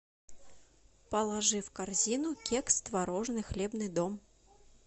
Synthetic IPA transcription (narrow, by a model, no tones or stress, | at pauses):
pɐlˠaʐɨwkarzʲinukʲɛkst̪vaɾɔʐnɨxlʲɛbn̪ɨd̪ɔm